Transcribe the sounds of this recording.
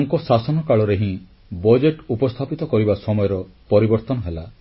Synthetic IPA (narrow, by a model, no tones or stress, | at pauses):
ŋkɔsasɔnɔkaɭɔɾeɦĩ | bɔd͡ʒeʈupɔst̪ʰapit̪ɔkɔɾibasɔmɔjɔɾɔpɔɾibɔɾt̪ɔnɔɦela